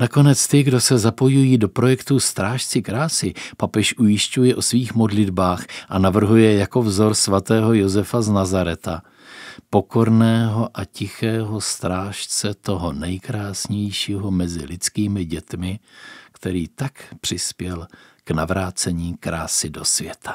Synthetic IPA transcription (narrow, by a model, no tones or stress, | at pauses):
nako̞nɛt͡st̪ɪɡdo̞sɛzapo̞jujiːdo̞pɾo̞jɛkt̪ust̪ɾaːʃt͡sɪkɾaːsɪpapɛʃʔujɪʃcujɛʔo̞sviːxmo̞dlɪdbaːxʔanavr̩ɦujɛjako̞vzo̞ɾsvat̪ɛːɦo̞jo̞zɛfaznazaɾɛt̪a | po̞ko̞ɾnɛːɦo̞ʔacɪxɛːɦo̞st̪ɾaːʃt͡sɛt̪o̞ɦo̞nɛjkɾaːsɲɛjʃiːɦo̞mɛzɪ̰lɪt͡skiːmɪɟɛt̪mɪkt̪ɛɾiːt̪akpr̝̥ɪspjɛlknavɾaːt͡sɛɲiːkɾaːsɪdo̞svjɛt̪ʰḁ